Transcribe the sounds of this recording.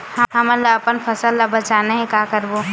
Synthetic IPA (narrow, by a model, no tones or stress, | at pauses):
həɦəməlːaɐpənpʰəsəlːabət͡ʃaːneɦẽkakəɾbo